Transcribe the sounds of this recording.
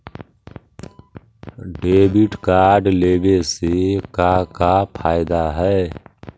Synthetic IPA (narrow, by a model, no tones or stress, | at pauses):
ɖeːbiʈkaːɾɖleːbeːseːkaːkaːpʰaːɪd̪aːɦɛː